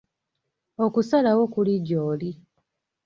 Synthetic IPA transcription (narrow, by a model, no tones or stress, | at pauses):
okusalawo̞kuliɟoːli